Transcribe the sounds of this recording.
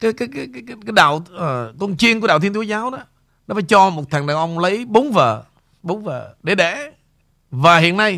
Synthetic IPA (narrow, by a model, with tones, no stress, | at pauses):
kaː˨˦jkaː˨˦jkaː˨˦kːkaː˨˦jɗa̰ː˧˨wkə˧nt͡ɕi˧ənku˧˩ɗaː˧˨t̪ʰi˧nt̪u˨˦zaː˨˦wɗɔ˨˦ | nɔ˨˦faː˧˩jt͡ɕɔ˧mo˨˩t̚t̪ʰa˨˩ŋɗa̰˨˩ŋʔə˧wŋ͡mlə˨˦jɓo˨˦ŋ͡mvəː˨˩ | ɓo˨˦wŋ͡mvəː˨˩ɗe˧˩ɗḛ˧˩ | vaː˨˩hḭ˧˨ənːa˧j